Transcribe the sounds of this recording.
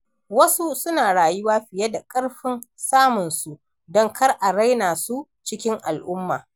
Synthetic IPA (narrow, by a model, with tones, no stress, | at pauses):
wɐ˦su˦sʊ˦naː˨ɽaː˨jʊ˦waː˦ɸɪ˨jɐ˦da˨kʼɐ˦ɽɸɪ˦n | saː˦mʊ˨nsu˦ | dɔ˦ŋkʰɐ˦rʔa˨ɾa˦jnaː˨su˦ | t͡ʃɪ˦kʲɪ˦ŋʔa˨lʔʊ˦mːa̰ː˨